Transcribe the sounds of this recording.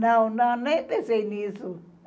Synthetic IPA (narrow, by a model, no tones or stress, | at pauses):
nãonãnẽt̪eseinĩsu